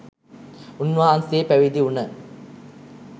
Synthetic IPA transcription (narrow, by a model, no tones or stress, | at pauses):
unʋaɦansepæʋid̪iunə